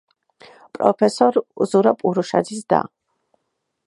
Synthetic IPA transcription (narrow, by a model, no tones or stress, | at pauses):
pʼɾɔ̰pʰɛsɔɾzuɾapʼuɾuʃa̰d̪zisd̪a̰